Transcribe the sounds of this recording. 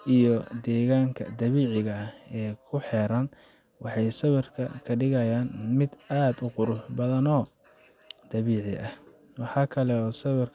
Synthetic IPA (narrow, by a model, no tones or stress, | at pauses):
ʔijɔd̪ɛːɣaːŋkʰɐ̰d̪ɐβiːʕɪɣɐɛːkʰʊħɛːɾɐn | wʔɑħɑjsɐwɪrkʰɐkʰɐɖɪɣɐjaːnmɪd̪aːd̪ʊqʊɾʊħbɐðɐnɔː | d̪̥ɐβiːʕɪ̰ʔɐh | wɑħɑːkʰɐlɛɔːsɐwɪr